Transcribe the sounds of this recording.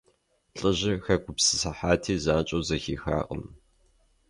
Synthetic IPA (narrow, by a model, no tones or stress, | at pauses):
ɬʼɨʑɪxɐɡʷʰʼʊpsɨ̥sɐħaːtʰiːzaːt͡ʃʼowzɐxiːxa̰ːqʼə̰m